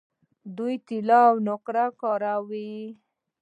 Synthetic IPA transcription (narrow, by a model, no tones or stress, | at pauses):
d̪ujt̪ilawnʊqɾakɑɾawi